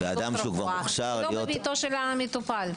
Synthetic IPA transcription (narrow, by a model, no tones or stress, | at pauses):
vead̪amʃukvaʁmχʃaʁloijobit̪oʃelamet̪upal